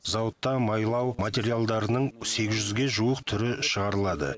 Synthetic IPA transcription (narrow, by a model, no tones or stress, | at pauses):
zɑwət̪ːɑmɑjlˠɑwmat̪ʲe̞ɾijalˠd̪ɑɾənəɴse̞ɡʲɪzʒʏzɡʲe̞ʒuəqt̪ʰʏɾɪʃəʁɑɾəlˠɑd̪ə̰